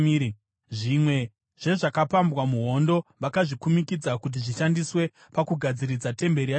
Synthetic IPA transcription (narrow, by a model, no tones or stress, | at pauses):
ʐimwe̞ | ʐ̥e̞ʐakapambwamuɦo̞ndo̞ʋakaʐikumikid͡zakut̬iʐiʃandiswe̞ | pakuɡʱad͡ziɾid͡zate̞mbe̞ɾia